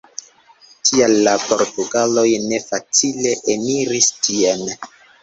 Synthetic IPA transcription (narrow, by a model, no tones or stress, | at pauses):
tʰialːapo̞ɾtuɡalo̞jne̞fat͡sile̞ʔeniɾistʰien